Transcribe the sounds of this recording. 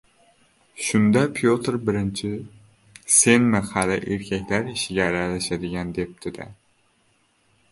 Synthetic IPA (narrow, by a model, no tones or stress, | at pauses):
ʃund̪ɛpʰjot̪ɨɾbɪɾɪnt͡ʃʰɪ | senmɪχælɪʔeɾkʲʰɛkʲlæɾiʃɪɡʲɛːɾɛlɪʃɛd̪ɪɡʲɛnd̪ep̚t̪ʰɪd̪ɪ̰